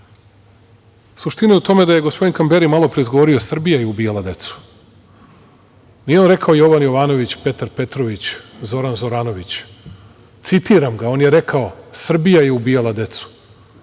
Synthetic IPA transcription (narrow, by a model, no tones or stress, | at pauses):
suʃt̪ineut̪o̞me̞d̪aje̞ɡospo̞d̪inkambe̞ɾimalo̞pɾeizɡo̞ʋoɾiosr̩bijajeubijalˠad̪e̞t̪su̥ | nijeonɾe̞kʰaojo̞ʋanjo̞ʋaːno̞ʋit͡ɕpe̞t̪aɾpe̞t̪ɾo̞ʋit͡ɕzo̞ɾanzo̞ɾaːno̞ʋit͡ɕ | t̪sit̪iɾamɡaonjeɾe̞kaosr̩bijaje̞ubijalˠad̪e̞t̪su̥